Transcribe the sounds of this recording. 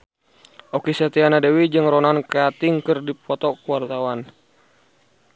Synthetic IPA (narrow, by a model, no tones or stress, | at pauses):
ʔɔkisɛt̪ianadɛwid͡ʒɨŋɾɔnankɛat̪iŋkɨrdipɔt̪ɔkuwart̪awan